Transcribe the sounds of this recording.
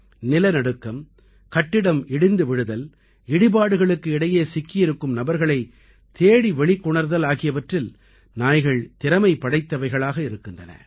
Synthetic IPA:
nɪlɐnɐɽɯkːɐm | kɐʈːɪɽɐmɪɽɪnd̪ɯʋɪɽɯðɐl | ɪɽɪbaːɽɯɣɐɭɯkːɯɪɽɐjeːsɪkːɪjɪɾɯkːɯmnɐbɐɾɣɐɭɐɪ | t̪eːɽiʋɛɭɪkːʊɳɐɾðɐlaːɣɪjɐʋɐʈrɪl | naːjɣɐɭt̪ɪɾɐmɐɪpːɐɽɐɪt̪ːɐʋɐɪɣɐɭaːɣɐɪɾɯkːɪndrɐnɐ̰

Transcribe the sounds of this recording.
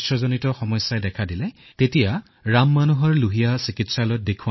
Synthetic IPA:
sɹɔzonitɔxɔmɔjsajdɛkʰadilɛtetija | ɹamːanuɦɔɹluɦijasikitsalɔjt̚dekʰu

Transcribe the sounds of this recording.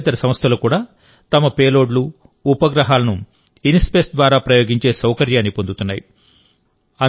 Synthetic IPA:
t̪ɐɾɐsɐmɐst̪ʰɐluːkuːɽaː | t̪ɐmɐpeːlo̞ːɖlu | upɐɡɾɐɦaːlɐnu | inispesd̪ʋaːɾaːpɾɐjo̞ːɡiɲt͡ʃe̞ːsɐwkɐɾjaːnːipond̪ut̪unːaːji | ɐ

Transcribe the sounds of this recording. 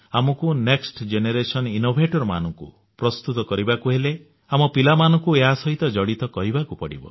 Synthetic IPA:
amɔkuneksʈd͡ʒeneɾesɔninobʱeʈɔɾma̰nɔŋkṵ | pɾɔst̪ut̪ɔkɔɾibakuɦele | amɔpilamanɔ̃ŋkueɦasɔɦit̪ɔd͡ʒɔɽit̪ɔkɔɾibakupɔɽḭbɔ̰

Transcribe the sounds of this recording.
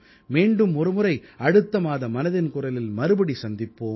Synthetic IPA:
meːɳɖɯmɔɾɯmɯɾɐɪɐɽɯt̪ːɐmaːðɐmɐnɐðɪnkʊrɐlɪlmɐɾɯbɐɽisɐnd̪ɪpːoː

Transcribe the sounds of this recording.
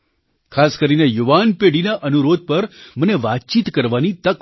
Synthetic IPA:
kʰaskəɾinejuʋanpeɽinaʔənuɾod̪̚pəɾməneʋat̪̚t͡ʃit̪kəɾʋanit̪ək

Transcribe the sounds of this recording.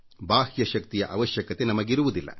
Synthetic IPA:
baːhjɐʃɐk̚t̪ijɐʔɐʋɐʃjɐkɐt̪e̞nɐmɐɡiɾuʋud̪ilːɐ̰

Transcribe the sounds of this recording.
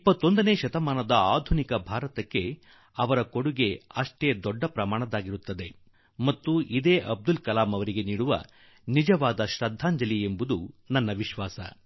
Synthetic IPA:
ipːɐt̪ːo̞nd̪ɐne̞ːʃɐt̪ɐmaːnɐd̪ɐaːd̪ʱunikɐbʱaːɾɐt̪ɐkːe̞ | ɐʋɐɾɐko̞ɽuɡe̞ɐʂʈeːd̪ɔɖːɐpɾɐmaːɳɐd̪aːɡiɾut̪ːɐd̪e̞ | mɐt̪ːuʔid̪eːʔɐb̚d̪ulkɐlaːmɐʋɐɾiɡe̞niːɽuʋɐ̰ | nid͡ʒɐʋaːd̪ɐʃɾɐd̪ʱːaːɲd͡ʒɐliembud̪unɐnːɐʋiʃʋaːsɐ̰

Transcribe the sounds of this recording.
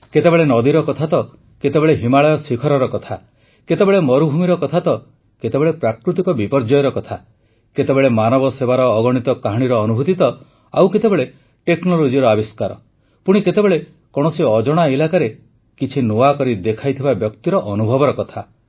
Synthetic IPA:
ket̪ebeɭenɔd̪iɾɔkɔt̪ʰat̪ɔ | ket̪ebeɭeɦimaɭɔjɔsikʰɔɾɔɾɔkɔt̪ʰa | ket̪ebeɭemɔɾubʱumiɾɔkɔt̪ʰat̪ɔ | ket̪ebeɭepɾakɾut̪ikɔbipɔɾd͡ʒɔjɾɔkɔt̪ʰa | ket̪ebeɭemanɔbɔsebaɾɔːɡɔɽ̃it̪ɔkaɦɔɽ̃iɾɔːnubʱut̪it̪ɔ | a̰wket̪ebeɭe | ʈeknɔlod͡ʒiɾɔabiskaɾɔ | puɽ̃iket̪ebeɭe | kɔɽ̃ɔsiɔd͡ʒɔɽ̃ailakaɾe | kit͡ʃʰinoakɔɾid̪ekʰajt̪ʰibabjɔkt̪iɾɔʔɔnubʱɔbɔɾɔkɔt̪ʰa

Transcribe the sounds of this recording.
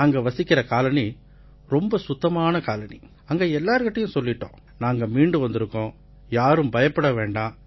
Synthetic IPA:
aɐŋɡɐʋɐsɪkːɪɾɐkaːlɐni | ɾɔmbɐsʊt̪ːɐmaːnɐkaːlɐni | ɐŋɡɐɛlːaːɾɯɣɐʈːɐjʊ̃sɔlːɪʈːõ̰ː | naːŋɡɐmiːɳɖɯʋɐnd̪ɪɾɯkːõː | jaːɾɯmbɐjɐpːɐɽɐʋeːɳɖaː

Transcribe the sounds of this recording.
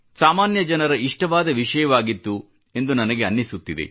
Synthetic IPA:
saːmaːnjɐd͡ʒɐnɐɾɐiʂʈɐʋaːd̪ɐʋiʂɐjɐʋaːɡit̪ːu | e̞nd̪unɐnɐɡe̞ɐnːisut̪ːid̪e̞̰

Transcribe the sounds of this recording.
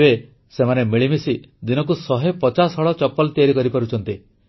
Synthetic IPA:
e | semanemiɭimisi | d̪inɔkusɔɦepɔt͡ʃasɦɔɭɔt͡ʃɔpːɔlt̪iaɾikɔɾipɔɾut͡ʃʰɔnt̪i

